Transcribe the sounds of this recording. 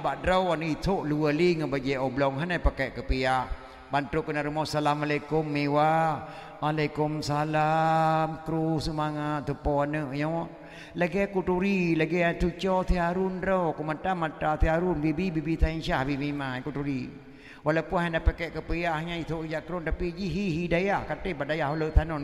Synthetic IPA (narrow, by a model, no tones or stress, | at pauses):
baʔdɾəwanəit̪ʰoʔluwəliŋəbad͡ʒɛʔɔblɔŋɦanapakaʔkəpijaʔh | bant̪okənaɾumɔsalamalakumːewa | ʔalakumsalamkɾusəmaŋat̪̚t̪ːupɔanəʔɲɔ | laɡɛakut̪uɾilaɡɛat̪ut͡ʃɔt̪iaɾunɾokumatamatat̪iaɾunbibibibit̪ʰainʃahbimimakutuɾi | walapunhɦandapakɛʔkəpijahɲait̪oʔd͡ʒaʔkɾunt̪apid͡ʒiɦiɦidajahkat̪əbaʔdajaholət̪ʰanɔ